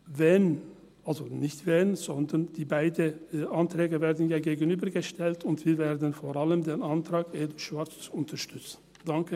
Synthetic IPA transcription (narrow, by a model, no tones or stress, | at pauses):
vɛn | ʔalzonɪçtv̥ɛnz̥ɔndɐnd̥iːbaɪdəʔantʁ̥ɛːɡəveːɐdn̩jaːɡeːɡən̩yːbɐɡəʃtʰɛltʰʊntv̥iːɐveːɐdən̩foʁaləmdeːnantʁ̥aːkeːd̩ʃv̥aɐt͡st͡suʊntɐʃtʏt͡sn̩ | d̥aŋkə